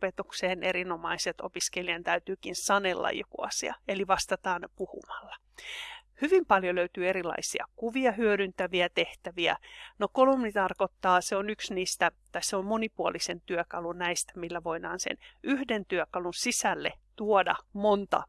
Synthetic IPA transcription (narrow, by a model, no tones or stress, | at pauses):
pet̪ukseːnʔeɾinomɑiset̪o̰piskelijɑnt̪æyt̪yːkinsɑnelːɑ̰jokṵɑ̰siɑ̰eliʋɑst̪ɑt̪ɑːnpuhṵmɑlːɑ | hyʋimpɑljoløyt̪yːeɾilɑ̰isiɑ̰kuʋiɑɦyødynt̪æʋiæt̪eht̪æʋiæ̰nokolumnit̪ɑrkot̪ːɑːseonyksniːst̪æt̪ɑiseommonipuolisent̪yøkɑlunnæist̪æ̥milːæʋoidɑ̰ːnsḛnʔyhdent̪yøkɑlunsisælːet̪uodɑ̰mont̪ɑ̰